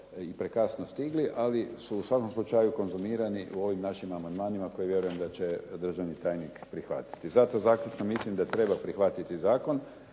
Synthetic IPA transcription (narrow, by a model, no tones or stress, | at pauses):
ipɾekasnost̪iɡliʔalisuːsʋako̞mslˠut͡ʃajuko̞nzumiːɾaniʔṵo̞ʋimnaʃimamand̪maːnimako̞jiʋje̞ɾuje̞md̪at͡ɕed̪r̩ʒaʋnit̪aːjnikpɾixʋa̰t̪i̥t̪izat̪ozaːklut͡ʃ̪nomislimd̪at̪ɾe̞bapɾixʋat̪it̪izaːko̞n